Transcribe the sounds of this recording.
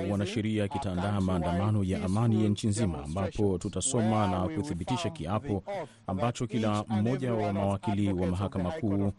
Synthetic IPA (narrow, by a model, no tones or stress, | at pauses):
wanaʃɛɾiakitaːndaːmaːndamanɔjaʔamanijaɲ̩t͡ʃinzima̰ːmbapɔtutasɔmanakuθiɓitiʃakiapɔ | ambat͡ʃɔkilam̩mɔʄawamawakiliwamaɦakamakʰuː